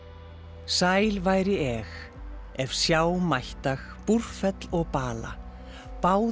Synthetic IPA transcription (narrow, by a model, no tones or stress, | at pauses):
saːjlvaːjɾɪɛx | ɛv̥sjaːwmajht̪ax | pur̥fɛt̪lɔɣpaːla̰ | paːw